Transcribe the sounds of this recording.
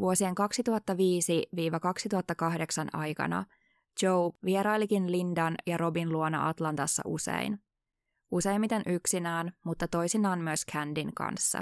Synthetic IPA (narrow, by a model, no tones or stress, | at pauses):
ʋuosieŋkɑksit̪uɦɑt̪ːɑʋiːsiʋiːʋɑkɑksit̪uɦɑt̪ːɑkɑhde̞ksɑnɑjkɑ̰nɑ̰ | t͡ʃowʋieɾɑjlikinlindɑnjɑɾo̞binluonɑ̰ʔɑt̪lɑnt̪ɑsːɑ̰ʔusḛin | ʔuse̞jmːit̪enʔyksinæːnmut̪ːɑt̪o̞jsinɑːnmyøskʰændiŋkɑ̰nsːɑ̰